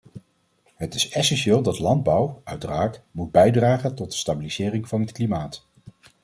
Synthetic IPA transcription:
ɦətɪsɛsɛnʃɪːlˠdɑtlɑnd̚bʌwʔœɥtəraːkmud̚bɛjdraːχəntɔd̚də̥stabiliz̥ɪːrɪŋvɑnɦətklimaːt

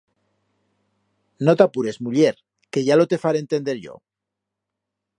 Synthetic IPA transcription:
not̪apuɾe̞zmuʎeɾ | ke̞ʝalo̞t̪e̞faɾeːnt̪e̞nd̪e̞ɾʝo̰

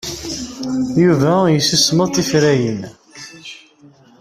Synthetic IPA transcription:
juvæjəsəsməðˤt̪ifɾæjən

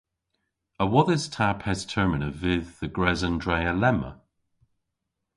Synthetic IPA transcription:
əwɔðəz̥tʰaphɛz̥tʰɜ˞mɪnəvɪðːəɡɹɛzə̃ndɹeɪəlɛmə̰

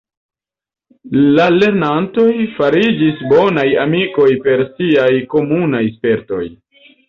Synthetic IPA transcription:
lale̞ɾnanto̞jfaɾid͡ʒisbo̞najamiko̞jpe̞ɾsiajko̞munajspe̞ɾto̞̰j

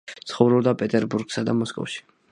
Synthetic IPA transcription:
t̪sχɔvɾɔbd̪apʼɛt̪ʼɛɾbuɾɡ̥sad̪amɔskʼɔ̰vʃi̥

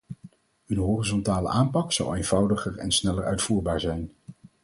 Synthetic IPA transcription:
ɵnɦorizɔntaːlə̰ʔaːmpɑksɑ̰wejnv̥ɑwdəχəɹɛ̰nsnɛləɹœ̰ɥtfuːɹbaːɹzɛjn

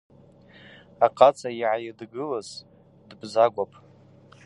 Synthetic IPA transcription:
aqʼat͡sʰʼaiʕajidɡɨlaz | dbzaɡʷapʼ

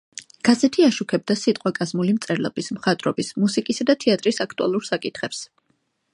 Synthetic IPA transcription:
ɡ̥azɛt̪ʰiaʃukʰɛb̚d̪asit̪ʼqʼwakʼazmulimt̪sʼɛɾlɔ̰bismχat̪ʼɾɔbismusikʼisad̪at̪ʰɛat̪ʼɾisakʰt̪ʼua̰lˠuɾsakʼit̪ʰχɛps

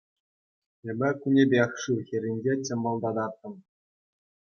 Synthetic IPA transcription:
ĕbʲɘ̆kunʲebʲexʂɯxʲĕɾʲinʲd͡ʑet͡ɕʲɘ̆mbɑlˠd̪ɑd̪ɑrt̪ːɤ̆m

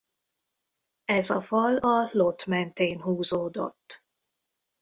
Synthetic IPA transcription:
ɛzɒfɒlɒlo̞t̪mɛnt̪eːnɦuːzoːd̪o̞̰t̪ː

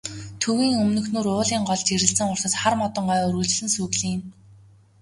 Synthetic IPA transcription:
t̪ʰɵwiːŋɵmnɵ̆xnuːɾʊːɮiːŋɢɔɮt͡ɕeɾɘ̆ɬt͡sɘ̆ŋʊr̥sə̆sχarmɔt̪ɞ̆ɴɢœːɵrɣɵ̆ɮt͡ɕ̆ɮɘ̆nsuːɣɮiːn

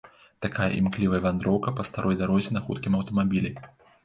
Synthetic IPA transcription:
t̪akajɐ̰ʔḭmklʲivɐjɐvʲand̪ɾɔwkɐpɐst̪aɾɔjd̪aɾɔzʲɛnɐxṵt̪kʲimɐwt̪ɐmabʲilʲi

